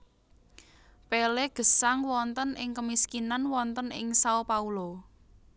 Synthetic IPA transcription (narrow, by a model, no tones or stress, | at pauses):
peleɡ̥ə̤saŋwɔnt̪ənɪŋkəmiskinanwɔnt̪ənɪ̰ŋsaopaulo